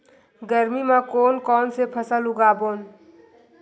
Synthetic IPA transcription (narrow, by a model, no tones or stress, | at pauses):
ɡəɾmimãkoːnkɔːnsepʰəsəluɡaːboːn